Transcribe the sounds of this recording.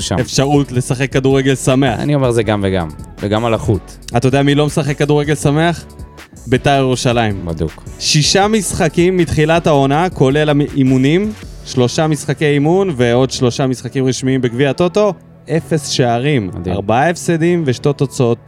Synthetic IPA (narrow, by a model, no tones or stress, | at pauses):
ʃa̰efʃaʁutle̞saχe̞kːaduʁeɡelsameaa̰nio̞me̞ʁzeɡamveɡa̰mveɡamalaχut | at̪ːajodeamilo̞mesaχe̞kːaduʁeɡe̞lsame̞aχ | betajeʁuʃalaimbad̪ṵkʃiʃamisχakimːitχilatao̞nako̞le̞laimunimʃlo̞ʃamisχakejaimunveo̞dʃlo̞ʃamisχakimʁiʃmiimbekviato̞to̞ | ʔe̞fe̞sʃeaʁim̰diaʁbaae̞fsedimveʃte̞t̪o̞t͡saot̚